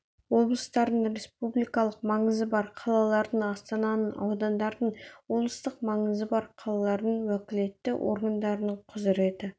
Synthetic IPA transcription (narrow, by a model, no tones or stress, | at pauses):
wo̞blˠəst̪ɑɾd̪əɴɾʲe̞spublijkɑlˠəqmɑɴəzəbɑɾqʰɑlˠɑlˠɑɾd̪əɴɑst̪ɑnɑnənɑ̰wd̪ɑnd̪ɑɾd̪əɴwo̞blˠəst̪əqmɑɴəzəbɑɾqʰɑlˠɑlˠɑɾd̪əɴwækʲɪle̞t̪ːɪʔo̰ɾɡand̪ɑɾənəɴqʰʊzɪɾe̞t̪ɪ